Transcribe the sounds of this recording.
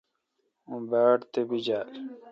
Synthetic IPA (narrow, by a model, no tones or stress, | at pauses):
ũbaːʈt̪ebid͡ʑaːɾ